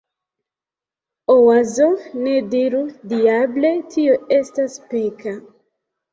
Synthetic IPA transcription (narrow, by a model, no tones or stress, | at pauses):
owazonediɾudiable̞tʰioe̞staspika